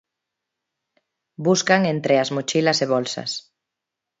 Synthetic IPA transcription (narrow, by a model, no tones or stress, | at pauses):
buskaŋent̪ɾeaszmot͡ʃilɐseβolsɐ̰s